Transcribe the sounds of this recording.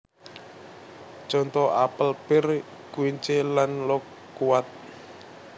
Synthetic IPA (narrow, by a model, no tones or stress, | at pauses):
t͡ʃɔnt̪ɔapəlpɪr | kuiɲt͡ʃelanlɔkː | uwat̪̚